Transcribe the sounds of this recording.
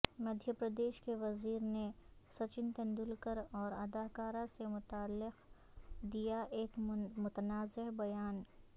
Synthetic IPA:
mɐd̪ʱjəpɾəd̪eːʃkeʋɐziːɾnesɐt͡ʃɪnt̪ɐ̃nd̪ʊlkəɾɔːɾɐd̪aːkaːɾasemʊt̪aːlːɪq | d̪ijaʔeːkmʊt̪ənaːzɪɦbɐjaːn

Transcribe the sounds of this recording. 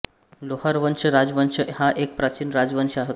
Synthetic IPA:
lohaɾʋənɕəɾad͡zʋənɕəhaʔek̚pɾat͡ɕiːnɾad͡zʋənɕəaɦot̪

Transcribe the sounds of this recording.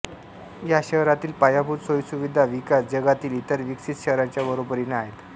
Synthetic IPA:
jaɕəɦɾat̪iːlpajabʱuɾsojsuʋid̪ʱaʋikasd͡ʑəɡat̪iːlit̪əɾʋiksit̪ɕəɦɾaɲt͡ɕjabəɾobəɾinaɦet̪

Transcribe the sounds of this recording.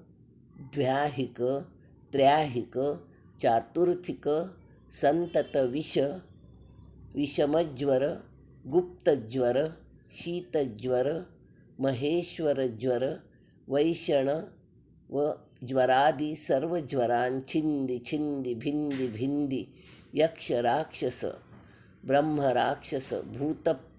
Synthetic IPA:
d̪ʋjaːɦikɐ | t̪ɾjaːɦikɐ | t͡ʃaːt̪uɾt̪ʰikɐ | sɐnt̪ɐt̪ɐʋiʃɐ | ʋiʃɐmɐd͡ʒʋɐɾɐ | ɡup̚t̪ɐd͡ʒʋɐɾɐ | ʃiːt̪ɐd͡ʒʋɐɾɐ | mɐɦeːʃʋɐɾɐd͡ʒʋɐɾɐ | ʋɐjʃɐɳɐ | ʋɐ | d͡ʒʋɐɾaːd̪isɐɾʋɐd͡ʒʋɐɾaːnt͡ʃʰind̪it͡ʃʰind̪ibʱind̪ibʱind̪ijɐkʂɐɾaːkʂɐsɐ̰ | bɾɐmɦɐɾaːkʂɐsɐ̰bʱuːt̪ɐ

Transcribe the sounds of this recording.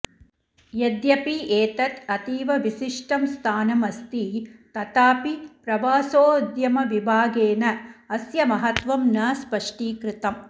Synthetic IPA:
jed̪jɐpiʔeːt̪ɐt̪ɐt̪iːʋɐʋisiʂʈɐmst̪ʰaːnɐmɐst̪it̪ɐt̪aːpipɾɐʋaːsoːd̪jɐmɐʋibʱaːɡeːnɐɐsjɐmɐɦɐt̪ʋɐmnɐːspɐʂʈiːkɾɪt̪ɐm

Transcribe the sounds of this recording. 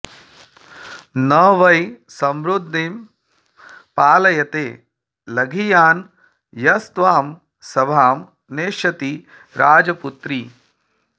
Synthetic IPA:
nɐʋɐj | sɐmɾud̪ʱːim | paːlɐjɐt̪eː | lɐɡʱijaːn | jɐst̪ʋaːm | sɐbʱaːm | neːʃɐt̪i | ɾaːd͡ʒɐput̪ɾi

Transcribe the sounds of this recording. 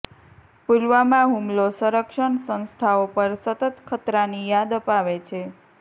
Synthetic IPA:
pulʋamãɦumlosəɾəkʃəɳsə̃nst̪ʰaopəɾsət̪ət̪kʰət̪ɾanijad̪əpaʋet͡ʃʰe

